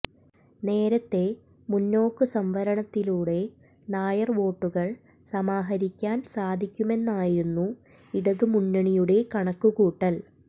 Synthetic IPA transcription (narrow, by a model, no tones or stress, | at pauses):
ne̞ːɾɐt̪ːe̞ | munːo̞ːkːɨsɐmʋɐɾɐɳɐt̪ːiluːɽe̞ | naːjɐrʋo̞ːʈːuɣɐɭ | sɐmaːɦɐɾikʲːaːnsaːd̪ʱikʲːume̞nːaːjiɾunːu | iɽɐðɨmunːɐɳijuɽe̞kɐɳɐkːuɣuːʈːɐl